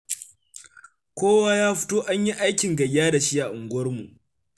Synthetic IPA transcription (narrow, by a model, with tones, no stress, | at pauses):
kʷoː˦waː˦jaː˦ɸɪ̥˦toː˦ʔa˦ɲji˦ʔa˦jkʲɪ˨ŋɡɐ˨jːaː˦da˨ʃi˦ʔa˨ʔʊ˨ŋɡʷɐ˦rmu˨ʔ